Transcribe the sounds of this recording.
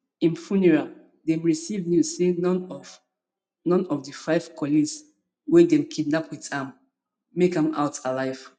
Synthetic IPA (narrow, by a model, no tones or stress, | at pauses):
ĩnfuniɹa | dɛ̃mɹisivnjussenɔ̃n | nɔ̃nɔvdəfaɪv̥kʰɔlĩs | wɛdɛ̃mkʰidnapwitãmː | ekãma̰ʊtalaɪv̥